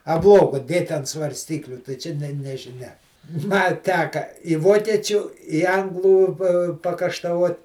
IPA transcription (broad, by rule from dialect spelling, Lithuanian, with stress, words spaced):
ɐ ˈblˠoːɡoː ˈdʲeːtʲ ɐnt sʋɐrʲˈsʲtʲiːklʲʊ tɐɪ ˈt͡ʃʲɛ ˈnʲɛ nʲɛʒʲɪˈnʲɛ mɐ ˈtʲæːkɐ ɪ ˈʋoːkʲiɛt͡ʃʲʊ ɪ ˈɐŋɡlˠuː pɐ pɐkɐʃtɐˈʋoːt